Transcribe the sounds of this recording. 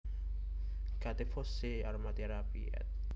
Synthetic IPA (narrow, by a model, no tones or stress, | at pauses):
kat̪efɔseaɾmat̪eɾapḭɛ̰t̪̚